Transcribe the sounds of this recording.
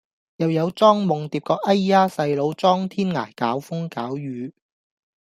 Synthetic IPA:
jɐ˨wjɐ˨˧wt͡sɔː˥ŋmʊ˨ŋt̪iː˨p̚kɔː˧k̚ɐ˥jːaː˥sɐ˧jlo˨˧wt͡sɔː˥ŋt̪ʰiː˥nŋa̰ː˨˩jkaː˨˥wfʊ˥ŋkaː˨˥wjyː˨˧

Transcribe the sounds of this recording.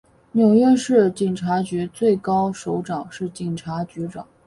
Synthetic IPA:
njo˨˩ʊɥɛ˥˧ʂɻ̩˥˩t͡ɕi˨˩ŋʈ͡ʂʰa˧˥t͡ɕy˧˥t͡swe˥˩ɪkɑ˥ʊʂo˧˥ʊʈ͡ʂɑ˨˩ŋʂɻ̩˥˩t͡ɕi˨˩ŋʈ͡ʂʰa˧˥t͡ɕy˧˥ʈ͡ʂɑ˨˩˦ŋ

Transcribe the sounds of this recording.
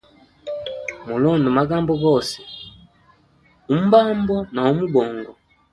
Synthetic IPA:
mu˨lɔ˦˨ndɔ˨ma˦ɡa˦mbɔ˦ɡɔ˦˨sɛ̥˨ | u˨˦m̩˦ba˦mbɔ˦na˨u˦mu˦bɔ˨ŋɡɔ˨

